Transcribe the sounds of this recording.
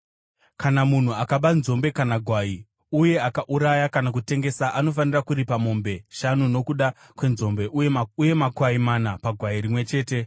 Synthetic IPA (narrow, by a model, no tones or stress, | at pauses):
kanamun̤uakaɓanzo̞mbe̞kanaɡʱwaːi | uje̞akaʔuɾajakanak̬ute̞ŋɡe̞saʔano̞fanirakuɾipamo̞mbe̞ʃanuno̞kuɗa | kwe̞nzo̞mbe̞ʔjuje̞makwaimanapaɡʱwaiɾimwe̞t͡ʃe̞ːte̞